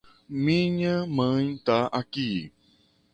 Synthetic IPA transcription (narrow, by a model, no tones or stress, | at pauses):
mĩɲãmə̃ɲt̪aʔaki